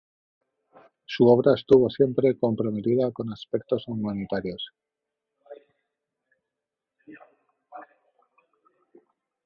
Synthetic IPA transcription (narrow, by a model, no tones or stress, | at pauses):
suoβ̞ɾaest̪uβ̞o̞sje̞mpɾe̞ko̞mpɾome̞t̪iðako̞naspe̞k̚t̪o̞sumanit̪aɾjo̞s